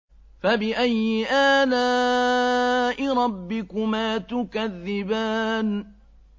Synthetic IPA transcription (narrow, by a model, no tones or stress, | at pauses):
fabɪʔajːɪʔaːnaː | ʔɪɾˤɑbːɪkʊmaːt̪ʊkaðːɪbaːn